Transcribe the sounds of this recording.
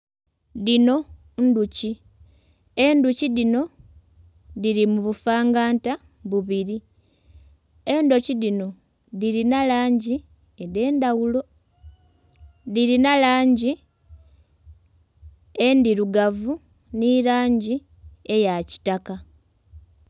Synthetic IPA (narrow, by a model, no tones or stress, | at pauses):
ðino̞ | nduci | e̞nduciðino̞ | ðiɾimuβufaːŋɡaːnta | βuβiɾi | e̞ndo̞ciðino̞ | ðiɾinalaːɲɟi | eðe̞ːndawulo̞ | ðiɾinalaːɲɟi | endiɾuɡavu | niɾaːɲɟi | e̞jaci̥taka